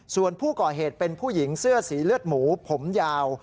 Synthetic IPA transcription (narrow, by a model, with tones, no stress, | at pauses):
su˨˩ənpʰuː˥˩kɔː˨˩ɦeː˨˩t̪̚pe˧npʰuː˥˩ji˩˦ŋsɯ˥˩əsiː˩˦lɯ˥˩ət̪̚muː˩˦pʰo˩˦mjaː˧w